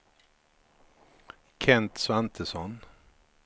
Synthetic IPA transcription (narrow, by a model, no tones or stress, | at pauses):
kʰɛnt̪svant̪ʰəsɔn